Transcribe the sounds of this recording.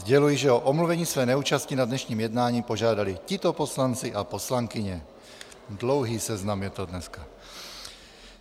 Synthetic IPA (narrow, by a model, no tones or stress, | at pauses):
zɟɛlujɪʒɛoʔomluvɛɲiːsvɛːnɛuːt͡ʃascinadnɛʃɲiːmjɛdnaːɲiːpoʒaːdalɪcɪt̪oposlant͡sɪʔapo̞slaŋkɪɲɛ | dlowɦiːsɛznamjɛt̪odnɛska